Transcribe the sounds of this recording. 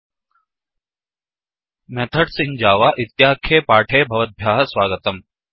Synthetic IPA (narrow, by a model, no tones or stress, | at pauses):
mɛt̪ʰəʈsɪ̃ŋd͡ʒaːʋaːʔɪt̪jaːkʰeːpaːʈʰeːbʱɐʋət̪̚bʱjaːɦɐswaːɡət̪ɐm